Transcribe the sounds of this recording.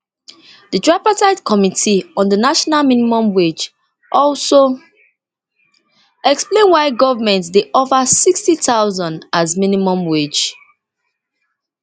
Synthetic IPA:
dədɹapataɪtkʰɔmitʰiɔ̃ndðənaʃɔnalmĩnimɔ̃mwed͡ʒ | ʔɔlso | ɛksplẽnwaɪɡɔvamɛ̃ntdeʔɔvəsikstitaʊzɔ̃ndazmĩnimɔ̃mwed͡ʒ

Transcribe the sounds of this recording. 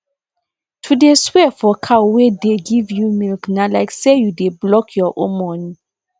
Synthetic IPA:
tʰudeswɛfɔkʰawedeɡivjumilknalaɪksejudeblɔkʰjɔʔõ̰mɔ̃ni

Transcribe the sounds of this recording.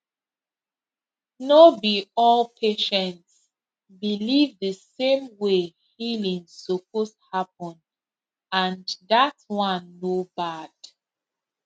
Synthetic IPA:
nobiɔlpʰeʃɛ̃nts | bilivðəsẽmwe | hilĩŋsop̚oshap̚ɔ̃n | ãnðatwãnːobad̥

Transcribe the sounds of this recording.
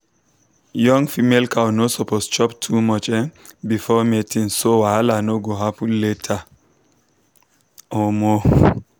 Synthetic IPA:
jɔ̃ŋfimelkʰawnosɔpʰost͡ʃɔptʰumɔt͡ʃɛ̃nbifɔmetĩŋsowalanoɡoɦapletʰa | ɔmɔ

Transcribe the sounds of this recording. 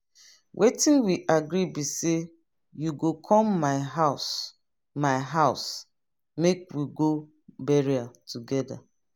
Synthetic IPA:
wʔetĩnwiʔaɡɾibise | juɡokʰɔ̃mːaɪɦaʊs | maɪɦaʊs | mekwiɡo | bɛɹiatʰuɡɛda̰

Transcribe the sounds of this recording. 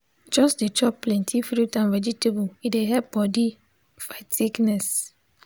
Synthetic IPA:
d͡ʒɔsdet͡ʃɔppːlɛ̃ntʰifɾutãnvɛd͡ʒitebuideɦɛp̚bɔdi | faɪtsiknɛs

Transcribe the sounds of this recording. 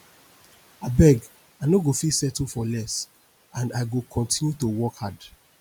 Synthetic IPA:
abɛɡ | aɪnoɡofisɛtufɔlɛs | ãndaɪɡokʰɔ̃ntʰĩnjutowɔkhad

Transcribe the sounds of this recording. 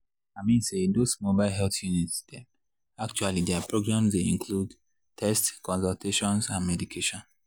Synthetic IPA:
amĩnsedosmobaɪlɦɛlθjunitsd̥ɛ̃ | ak̚t͡ʃualidɛapɹoɡɹãmsdeĩŋkʰlud | tʰɛstkɔ̃nsɔltʰeʃɔ̃nsãnmɛdikʰeʃɔ̃n

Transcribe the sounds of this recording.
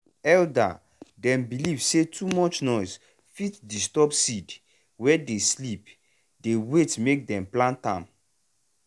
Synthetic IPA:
ɛlda̰ | dɛ̃mbilivsetʰumɔt͡ʃnɔɪs | fitdistɔpsid | wɛdeslip | dewetmek̚dɛ̃mplãntãm

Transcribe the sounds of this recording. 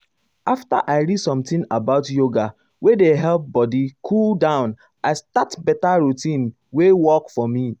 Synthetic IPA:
afta̰ʔaɪɹidsɔ̃mtĩnabaʊtjoɡa | wedeɦɛlp̚bɔdikʰuldãʊ̃n | astatbɛtaɹutĩn | wewɔkfɔmi

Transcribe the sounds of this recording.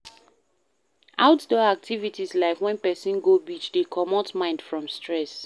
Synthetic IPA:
aʊtdɔak̚tʰivitislaɪfwɛ̃npɛsĩnɡobit͡ʃdekʰɔmɔtmãɪ̃ndfɹɔ̃mstɹɛs

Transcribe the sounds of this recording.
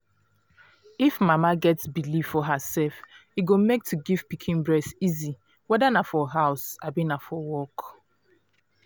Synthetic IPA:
ifmamaɡɛtsbilivɔɦəsɛlfiɡomek̚tʰuɡiv̥pikʰĩnbɹɛsizi | wɛdanafɔɦaʊsabinafɔwɔk

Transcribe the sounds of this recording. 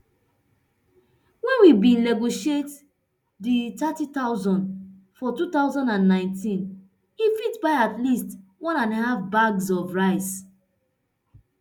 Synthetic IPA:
wɛ̃nwibĩlɛɡoʃet | ditatitaʊzɔ̃nd | fɔtutaʊzɔ̃ndãnːãɪ̃ntĩn | ifitbaɪatlistwɔ̃nãnhafbaɡzɔvɹaɪs

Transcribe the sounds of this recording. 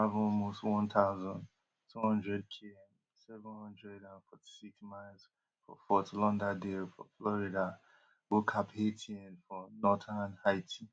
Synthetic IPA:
avɔlmostwɔ̃nt̪ʰaʊzɔ̃nd | tʰuhɔ̃ndɹɛd̚kʰiɛ̃m | sɛvʊ̃nhɔ̃ndɹɛdãnfɔtʰi̥siksmaɪlz | fɔ̰fɔtulɔ̃ndadefɔflɔɹida | wokʰapetʰiɛ̃nfɔnɔtʰanhaɪtʰi

